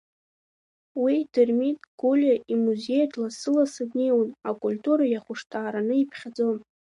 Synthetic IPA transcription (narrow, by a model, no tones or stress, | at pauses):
widɨrmitʼɡ̥ulʲaʔimuze̞jdʼlasɨlasɨdnejwunakʼulʲtʼuɾajaχʷʊʂtʰaːɾanɨipʰχʲad͡zon